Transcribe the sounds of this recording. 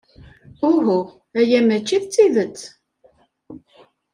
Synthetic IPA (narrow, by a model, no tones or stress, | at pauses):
ʊɦʊ | æjæmæt͡ʃːiðt͡sːiðət͡sː